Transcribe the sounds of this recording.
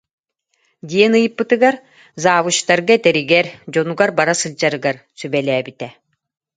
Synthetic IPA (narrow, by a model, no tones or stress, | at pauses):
d̪ʲiɛnɯjɯpːɯt̪ɯɡaɾ | zaːvut͡ɕt̪aɾɡaɛt̪ɛɾiɡɛɾd͡ʑɔnuɡaɾbaɾasɯlʲd͡ʑaɾɯɡaɾsybɛlɛːbit̪ɛ